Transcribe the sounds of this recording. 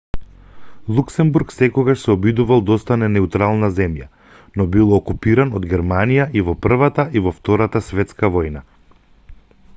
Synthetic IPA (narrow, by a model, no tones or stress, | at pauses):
lˠuksɛmbuɾksɛkɔɡaʃsɛɔbid̪uvalˠd̪ɔst̪anɛnɛut̪ɾalˠnazɛmja̰ | nɔbilˠɔkupiɾanɔd̪ɡɛɾmanijaʔivɔpr̩vat̪aʔivɔft̪ɔɾat̪asvɛt̪skavɔjna